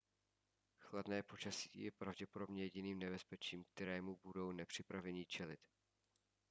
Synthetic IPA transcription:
xladnɛːpo̞t͡ʃasiːjɛpɾavɟɛpodo̞bɲɛjɛɟɪniːmnɛbɛspɛt͡ʃiːmk̚t̪ɛɾɛːmubudo̞wnɛpr̥ɪpɾavɛɲɪt͡ʃɛlɪt̪

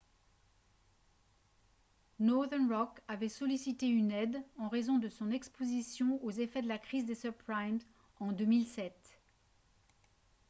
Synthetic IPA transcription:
nɔd̪ɛnʁɔkavɛsɔlisit̪eynɛd̪ɑ̃ʁezɔ̃d̪əsɔ̃nɛkspozisjɔ̃ozefɛd̪əlakχizd̪esœʁpʁajmz | ɑ̃d̪ømilsɛt̪

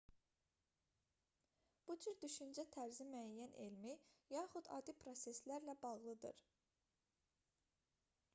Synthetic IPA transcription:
b̥ud͡ʒyɾd̪yʃynd͡ʒæt̪ʰæɾzimyæjːænʔelmijɑːχud̪ɑ̰ːd̪ipʰɾo̞se̞slæɾlæbɑʁlˠɯd̪ɯ̰ɾ

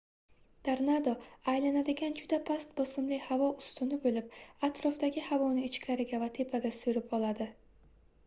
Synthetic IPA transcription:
d̪̥aɾnad̪oajlanad̪ɪɡʲand͡ʒʊd̪apʰast̪bɒsɪmlɪhavɒʊst̪ʊnɪbolɪp̚at̪ʰɾɒft̪aɡʲɪhavɒnɪɪt͡ʃkʲʰaɾɪɡʲavat̪ʰe̞pʰaɡʲasʊɾɪpɒlˠad̪ɪ

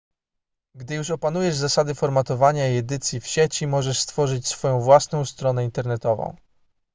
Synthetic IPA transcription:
ɡd̪ɘjuʂɔpan̪ujɛʐzasad̪ɘfɔɾmat̪ɔvaɲaiɛd̪ɘt̪sʲjifɕet͡ɕimɔʐɛʂst̪fɔʐɘt͡ɕsfɔjɔ̃w̃vwasnɔ̃w̃st̪ɾɔn̪ɛint̪ɛɾnɛt̪ɔvɔ̰̃w̃

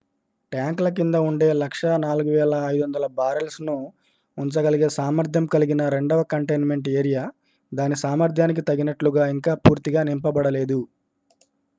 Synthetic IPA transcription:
ʈjaːŋklɐk̬ind̪ɐuɳɖe̞ːlɐkʂɐnaːluɡuʋɛːlɐːjd̪uʋɐnd̪ɐlɐbaːɾɐlsnu | uɲt͡ʃɐɡɐliɡe̞ːsaːmɐɾd̪ʱjɐmkɐliɡinɐɾe̞ɳɖɐʋɐkɐɳʈɐjnme̞ɳʈeːɾijaː | d̪aːnisaːmɐɾd̪ʱjaːnik̬it̪ɐɡinɐʈluɡaːiŋkaːpuːɾt̪iɡaːnimpɐbɐɽɐle̞ːd̪u

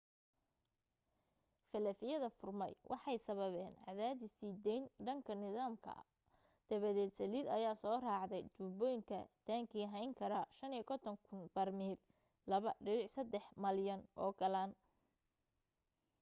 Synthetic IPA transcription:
fɐlɐfɪjɐðɐfʊrmɛjwʔɑħɑjsɐβɐβɛːnʕɑ̰ðaːðɪsiːd̪ɛjnɖɐŋkʰɐnɪðaːmkʰɐ̰ | d̪̥ɐβɐðɛːd̪sɐliːlɐjaːsɔːraːʕd̪ɛjt͡ʃuːbɔːjŋkʰɐ̰t̪ʰaːŋkʰiːɦɐjŋkʰɐɾɐʃɐnikʰɔt̪ʰɔŋkʰʊnb̥ɐrmiːl | lɐβɐɖɪnɪʕsɐd̪ɛħmɐljɐnʔɔ̰ːɡɐlaːn

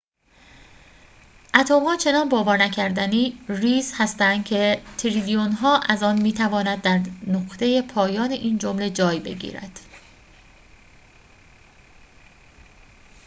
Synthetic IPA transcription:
ʔæt̪ʰoːmhɒːt͡ʃʰe̞nɒnbɒːvɒːɾnæcʰæɾd̪æniːriːzhæst̪ænd̪̥cʰe̞t̪ʰiɾilijonɦɒːʔæzɒːnmiːt̪ʰævɒːnæd̪̚ːæɾnoqt̪e̞je̞pʰɒːjɒːneʔiːnd͡ʒomle̞d͡ʒɒːjbe̞̰ɟḭːɾæ̰d̪̥

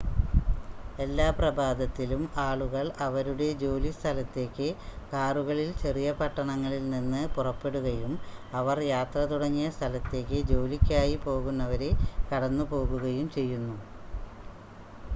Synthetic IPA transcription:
e̞lːaːprɐbʱaːd̪ɐt̪ːilumaːɭuɣɐɭɐʋɐɾuɽe̞d͡ʑo̞ːlist̪ʰɐlɐt̪ːe̞ːkːɨkaːruɣɐɭilt͡ɕerijɐpɐʈːɐɳɐŋːɐɭilninːɨpurɐpːe̞ɽuɣɐjumɐʋɐrjaːt̪rɐt̪uɽɐŋːijɐst̪ʰɐlɐt̪ːe̞ːkːɨd͡ʑo̞ːlikʲːaːjipo̞ːɣunːɐʋɐɾe̞kɐɽɐnːupo̞ːɣuɣɐjumt͡ɕe̞jːunːu

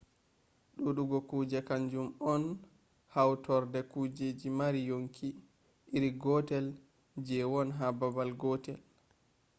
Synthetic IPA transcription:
ɗuɗuɡɔkuːd͡ʒɛkaɲd͡ʒumɔn | hawtɔɾdɛkud͡ʒed͡ʒimaɾijoŋkʰi | ʔiɾiɡɔtɛl | d͡ʒɛwɔnɦababalɡɔtɛl

